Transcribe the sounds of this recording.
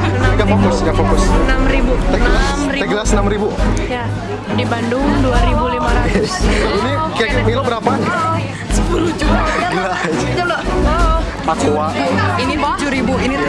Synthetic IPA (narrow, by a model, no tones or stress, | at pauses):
inikafokʊskafokʊsnamɾibuɛɡlasmɾit̪ɛɡəlasənamɾibuja | dibandʊŋduaɾibulimaɾaɛsinikamilobəɾapa | səpulud͡ʒulaid͡ʒalo | akuainifd͡ʒuɾibuini